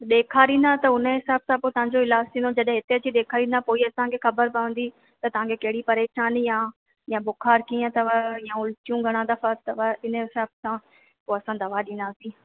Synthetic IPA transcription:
ɗeːkʰaɾĩːn̆d̪at̪ɐʊnə̆ɦɪsaːbsãpoːt̪ɐʋ̤ãːɲd͡ʑoɪlaːd͡ʑt̪ʰĩːnod͡ʑɐɗɦɦɪt̪et͡ɕʰiɗ̪eːkʰaːɾĩnd̪apoːiɐsãkʰexɐbəɾpəʋə̃n̆d̪i | t̪ɐt̪ɐʋ̤ãkʰekɐɦɪɽipɐɾeːʃaːnjã | jãbʊkʰaːɾkiːə̃t̪ɐʋajãʊlt͡ɕijũɡʱɐɽ̃ãd̪ɐfat̪ɐʋaɪnəɦɪsaːbsã | poːɐsãd̪ɐʋaɗĩːn̆d̪aːsĩː

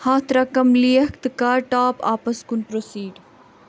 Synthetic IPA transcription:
haːt̪ʰɾɐkɐmlijɐkt̪kaːɾʈaːpa̰ːpɐskunpɾosiːɖ

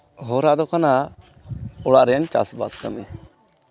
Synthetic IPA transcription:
ɦɔɾaʔd̪ɔkana | ɔɽaʔɾɛjant͡ʃa̰sba̰ska̰mɛ

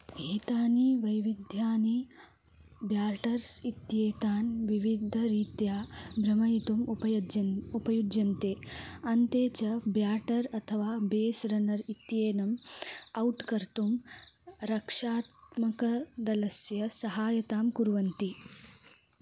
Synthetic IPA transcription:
eːt̪aːniʋɐjʋid̪ʱjaːni | bjaːɾʈɐɾsit̪jeːt̪aːnʋiʋid̪ʱɐɾiːt̪jaːbɾɐmɐjit̪umpɐɐupɐjud͡ʒjɐnt̪eːɐnt̪eːt͡ʃɐbjaːʈɐɾɐt̪ʰɐʋaːbeːsɾɐnɐɾit̪jeːnɐmɐwʈkɐɾt̪um | ɾɐkʂaːt̪mɐkɐd̪ɐlɐsjɐsɐɦaːjɐt̪aːmkuɾʋɐnt̪i

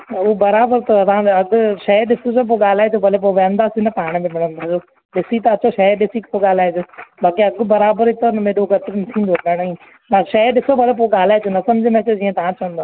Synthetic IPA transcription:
ubɐɾaːbəɾt̪ɐɐãɐɡʊʃɐɗɪsosop̬oɠaːl̤aːet̪obʱɐlep̬oʋɛ̃ːnd̪asinɐpaːɽ̃mẽmɪɽ̃ə̃nt̪ʰad͡ʑoː | ɗɪsit̪ɐɐt͡ɕoʃɐɗɪsikpoɠaːl̤aːed͡ʒ̪oːbaːkiɐɡbɐɾaːbəɾit̪ɐnɐmẽːɗoɡɐt̪knɪt̪ʰĩːnd̪opɐɽ̃oĩ | maːʃɐɗɪsobʱɐlep̬oɠaːl̤aːed͡ʒ̪onɐsɐmd͡ʑʱimẽɐt͡ɕod͡ʑiːə̃t̪ɐʋ̤ãt͡ɕɐʋə̃nd̪aː

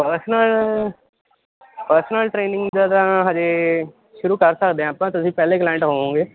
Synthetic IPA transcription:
pəɾsnəl | pəɾsənəlʈɾeːnɪ̃ŋɡd͡ʒaːd̪ãɦãd͡ʒeː | ʃʊɾuːkəɾsəkd̪eɦɛ̃ːpãːt̪ʊsĩːpɛːleːklaːɪ̃ɳʈɦoːãːŋɡeː

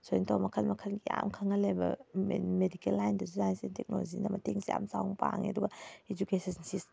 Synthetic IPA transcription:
sointʰowmɐkʰɐlmɐkʰɐnɡiamkʰaŋɐlebɐ̰mmedikelːajndɐsunajnsentek̚no̰zinɐmɐteŋsija̰msawŋpaŋḛduɡɐed͡ʒukesɐnsis

